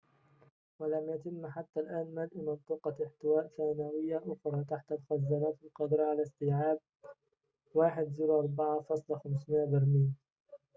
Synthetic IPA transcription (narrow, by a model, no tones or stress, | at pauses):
wɪlamjat̪ɪmːħat̪ːalʔaːnmalʔmɨnt̪ˤɨqɑɪħt̪ɪwaːʔθaːnawɪjːaʔʊxɾˤɑːt̪aħt̪amʊxazːanaːt̪ɪlqɑd̪ɾˤɑʕalast̪iːʕaːb̚ | waːħɪd̪zuːɾʔɑɾˤbaʕafɑsˤlxamsmɪʔabɪɾmiːn